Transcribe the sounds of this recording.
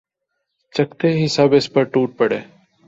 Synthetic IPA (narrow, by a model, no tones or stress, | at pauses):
t͡ʃəkt̪eːɦɪsaːbɪspəɾʈuːʈ̚pəɽeː